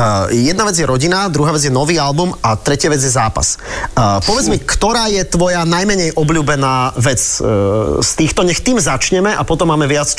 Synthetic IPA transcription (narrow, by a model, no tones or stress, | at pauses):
jɛd̪̚naʋɛd͡zjɛɾɔɟinad̪ɾuɦaːʋɛd͡zjɛnɔʋiːalbumat̪ɾɛcɪaʋɛd͡zjɛzaːpa̰s | pɔʋɛd͡zmikt̪ɔɾaːjɛt̪ʋɔjanajmɛɲɛjʔɔbʎuːbɛnaːʋɛt͡s | st̪iːxt̪ɔɲɛxt̪iːmzat͡ʃɲɛmɛʔapɔt̪ɔmːaːmɛʋɪat͡s